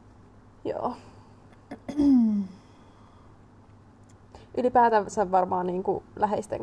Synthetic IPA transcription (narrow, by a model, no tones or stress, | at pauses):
jo̰ː | ʔylipæːt̪æseʋʋɑrmɑːnniːŋkṵlæɦest̪ḛŋ